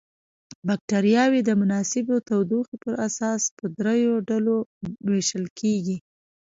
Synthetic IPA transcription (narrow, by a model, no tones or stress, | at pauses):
bak̚ʈaɾjɑwed̪əmʊnɑsɪbot̪awd̪uxepəɾʔasɑspəd̪ɾajoɖaloweʃəlkʰeɡi